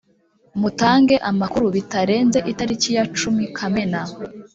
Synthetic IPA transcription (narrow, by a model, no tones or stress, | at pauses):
mutaːŋɡe̞ʔamakuɾuβitaɾe̞ːnze̞ʔitaɾicijat͡ʃumikʰamena